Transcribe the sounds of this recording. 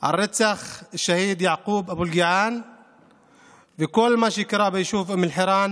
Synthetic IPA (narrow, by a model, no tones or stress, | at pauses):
ʕɑ̰rˤːɪt̪ːaxʃːahiːd̪jaʕquːbʔabulɡɪʕaːn | fikʊlːmaʃɪkɾˤɑːbɪjʃuːfʔamɪlħɪɾˤɑːn